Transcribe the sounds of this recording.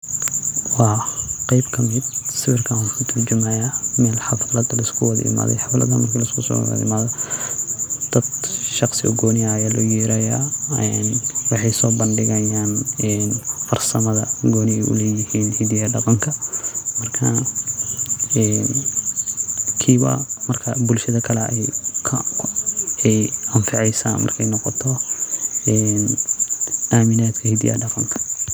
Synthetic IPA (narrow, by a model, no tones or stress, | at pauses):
wɑːqɑjbkʰɐmɪd̪̚sɪβɪrkʰɐwkʰʊt̪ʰɐrd͡ʒʊmɐjamɛːlħɑflɐd̪ɐlɐɪskʰʊwɐðɐ̰ɪ̰ma̰ːðɛ̰jħɑflɐ̰d̪ɐmɐrkʰɐlɐɪskʰʊsɔ̰w̰ðɐ̰ɪ̰maːðɔ | d̪̥ɐd̪ʃɑqsɪ̰ʔɔɡɔːnɪɐjaːlɔjiːɾɐjaɛnwɑħɑjsɔːbɐnɖɪɣɐjaːnɛːnfɐrsɐmɐðɐɡɔːnɪɛjʔʊ̰lɛːjɪhiːnhid̪ijaɖɐqɐŋkʰɐmɐrkʰɐ | ɛn | kʰiːβɐ̰mɐrkʰɐbʊlʃɐðɐkʰɐlɛ̰ɛjkʰ | ɛjɐɱfɪʕɛjsa̰ːnmɐ̰rkʰɛjnɔqɔt̪ʰɔ | ɛːn | ʔaːmɪnaːd̪kʰɐhid̪ḭjɐ̰ɖɐqɐŋkʰɐ̥